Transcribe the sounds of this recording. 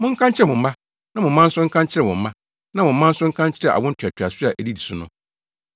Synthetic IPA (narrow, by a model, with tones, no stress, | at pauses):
mʊ̃˦ŋ̩˦kʰã˦ɲt͡ɕʰɪ˦ɛ˨mʊ̃˨m̩˦bã˦ | nã˦mʊ̃˨˦mã˦n̩˦sʊ˦ŋ̩˦kʰã˦ɲt͡ɕʰɪ˦ɾɛ˨ʊ̃˨m̩˨mã˦ | nã˨˦mʊ̃˨m̩˦mã˦n̩˦sʊ˦ŋ̩˦kʰã˦ɲ˦t͡ɕʰɪ˦ɾɛ˨ʔa̰˨wʊ̃˦n̩˦tʰʊ˨ɛ˨tʰᶣa˨sʊ˦a˨ʔæ˨di˦di˨sʊ˦nʊ̃˦